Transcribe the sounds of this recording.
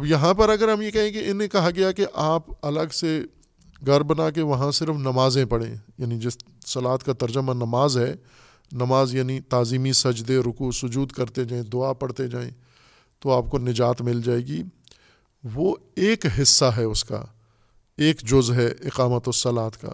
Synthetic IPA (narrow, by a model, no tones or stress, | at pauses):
ɐbjɐɦãpɐɾɐɡəɾɦɐmjekɐɦẽkeɪnẽkɐɦaɡɐjakeʔaːpɐləɡse | ɡʱɐɾbɐnaːkeʋɐɦãsɪɾfnɐmaːzẽpɐɽ̤ḛ̃ːjaːnid͡ʒɪs | sɐlaːt̪kat̪ɐɾd͡ʒʊmãnɐmaːzɦɛː | nɐmaːzjaːnit̪aːziːmisɐd͡ʒd̪eɾʊkusʊd͡ʒuːd̪kɐɾt̪ed͡ʒaːẽd̪ʊaːpɐɽt̪ed͡ʒaːḛ̃ | t̪oaːp̚konɪd͡ʒaːt̪mɪld͡ʒaːeːɡiː | ʋoeːkɦɪsːaɦɛʊska̰ː | eːkd͡ʒʊzɦɛʔɪqaːmət̪ɔsɐlaːt̪ka̰ː